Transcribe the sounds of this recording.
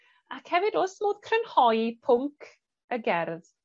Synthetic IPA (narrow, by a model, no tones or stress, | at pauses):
akhɛvɪdoːsmoːð̥kʰrənhɔjipʰʊŋkʰ | əɡɛrð